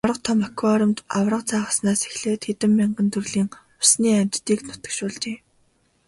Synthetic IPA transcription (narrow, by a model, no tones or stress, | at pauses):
awrə̆q̚t̪ʰɔmakʰwaɾɞ̆mt̪awrə̆qt͡sʰaːχə̥̆snaːse̥xɮeːt̪xet̪ɘ̆mːiɴɢə̆nt̪ʰɵrɮiːŋ | ʊsniːamʲt͡ɕt̪iːknʊt̪ə̆kʃʊːɮt͡ɕeː